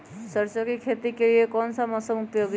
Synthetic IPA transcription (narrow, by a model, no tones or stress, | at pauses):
səɾsəkekʰet̪ikeliekɔnsəmʌsəmupjoɡ